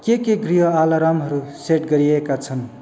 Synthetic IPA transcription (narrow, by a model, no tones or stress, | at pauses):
kekeɡriɦʌalaɾamɦʌɾuseʈɡʌɾiekat͡sʰʌn